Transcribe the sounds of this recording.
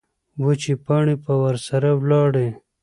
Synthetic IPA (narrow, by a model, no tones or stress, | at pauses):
wot͡ʃipaɳipəwaɾsaɾawlɑɽe